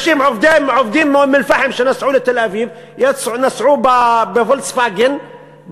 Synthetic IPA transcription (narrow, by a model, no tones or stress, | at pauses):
ʃiːmʕʊfd̪imʕofd̪iːmmɪlfaħɪmʃanasʕuːlat̪alʔaviːv | jasnasˤʕuːbabɪfʊlsfaɡɪn